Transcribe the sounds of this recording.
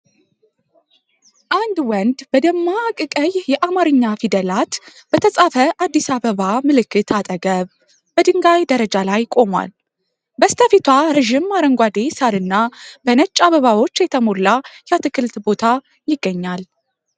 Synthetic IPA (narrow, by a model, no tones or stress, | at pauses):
ʔand̪wɔnd̪bəd̪əmːaːkʼɨkʼəjjɛʔamaɾɨɲːafid̪əlat̪bət̪ʰəsʼafəʔad̪ːisaβəβamɨlɨkːɨt̪ʰat̪ʼəɡəβ | bəd̪ɨŋɡajd̪əɾəd͡ʒalajkʼo̞mwa̰l | bəst̪ʰəfit̪ʰwaɾəʒimːaɾəŋɡʷad̪e̞saɾɨnːabənət͡ʃʼːaβəβawo̞t͡ʃːjɛt̪ʰəmo̞lːajɛat̪ʰɨkʰɨlt̪bo̞t̪ʰa | jɪɡːəɲːal